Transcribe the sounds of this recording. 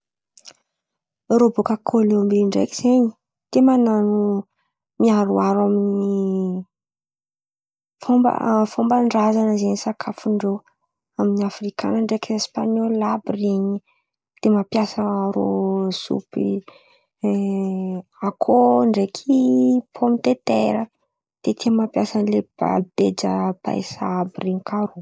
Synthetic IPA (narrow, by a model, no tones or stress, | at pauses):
robokəkʰolombiɳɖ͡ʐḛkiz̥eɲi̥ | t̪emananu | miaɾuaɾamini | fombə̰fombaɳɖ͡ʐazanəzeɲisakʰafuɳɖ͡ʐo | aminiafrika̰nəɳɖ͡ʐekispaɲollabreɲi | d̪̥emapjasaaɾo̰sṵpi | akʰoɳɖ͡ʐekʰipʰomit̪et̪eɾə | d̪̥et̪iəmapjasanleb̥a̰d̪ed͡ʒə̰ba̰jsaabiriɲikʰaɾu